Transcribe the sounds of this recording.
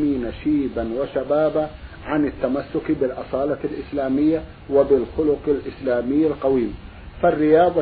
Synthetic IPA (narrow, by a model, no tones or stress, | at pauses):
miːnaʃiːbanwaʃabaːba | ʕanɪt̪ːamasːʊkbɪlʔɑsˤɑːlɑlʔɪslaːmɪjːa | wabɪlxʊlʊqɪlʔɪslaːmɪjːɪlqɑwiːm | farːɪjɑːðˤɑ